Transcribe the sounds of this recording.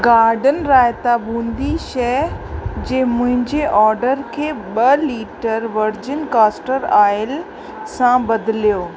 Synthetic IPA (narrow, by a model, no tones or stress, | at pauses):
ɡaːɾɖənɾaːjt̪abʱũːnd̪iʃɛ | d͡ʑeːmʊ̃ɦɪ̃ɲd͡ʑeʔɔːɾɖəɾkʰeːɓɐliːʈəɾʋɐɾd͡ʑɪnkaːsʈəɾaːɪl | sãbɐd̪ɪlijoː